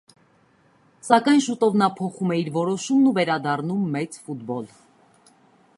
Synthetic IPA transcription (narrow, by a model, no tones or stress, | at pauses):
sɑkɑjnʃut̪ɔvnɑpʰɔχumɛiɾvɔɾɔʃumnuvɛɾɑd̪ɑrnumːɛt͡sfut̪bɔl